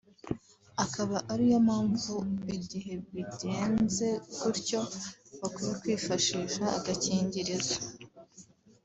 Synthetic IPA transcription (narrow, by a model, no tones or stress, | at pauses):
akaβaʔaɾijamaːɱvuiɟiɦe̞βiɟe̞ːnze̞kuɾco̞βakujekwiːfaʃiːʃaːɡaciːɲɟiɾiza